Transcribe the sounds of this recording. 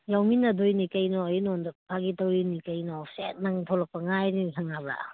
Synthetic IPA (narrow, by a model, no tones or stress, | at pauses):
jawminɐdojnikɐjnɔjnɔndapʰaɡitawinikɐjnɔset̚naŋtʰolɐk̚pɐŋajnisʰaŋaba̰